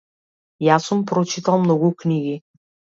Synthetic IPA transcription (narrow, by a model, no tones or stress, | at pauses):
jasumpɾɔt͡ʃit̪alˠmnɔɡukniɡi